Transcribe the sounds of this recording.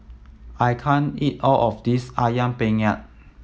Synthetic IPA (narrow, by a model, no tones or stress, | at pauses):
ʔajkʰãnit̚ɔlɔfdisajãnpẽŋɛt̚